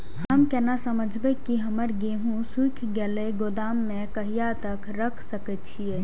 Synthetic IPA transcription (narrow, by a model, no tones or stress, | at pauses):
ɦəmkɛnasɐməd͡ʒʱbekiɦɐməɾɡeːɦũsukʰɡɛleɡod̪aːmːẽkəɦijat̪ɐkɾəkʰsəkət͡ʃʰieː